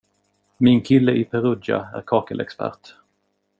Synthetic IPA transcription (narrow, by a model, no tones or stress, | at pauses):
mɪnkʰɪlːəʔɪpʰɛɾɵd̪a̰æ̰ɾkʰɑːkəlʔɛ̰kspæ̰ɾʈ